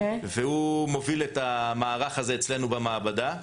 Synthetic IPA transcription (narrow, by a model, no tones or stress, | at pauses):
vehumo̞viletamaːʁaχaze̞ːt͡sle̞nubamaːbad̪a